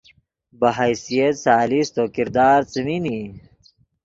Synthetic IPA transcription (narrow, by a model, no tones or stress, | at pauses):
bɐɦajsijɐt̪saːlist̪oːkiɾd̪aːɾt͡sɐmini